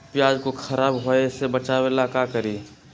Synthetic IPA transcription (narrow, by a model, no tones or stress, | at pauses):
pjaːd͡ʒkoxʰɐɾaːbɦoesebɐt͡ʃaːwelaːkakəɾiː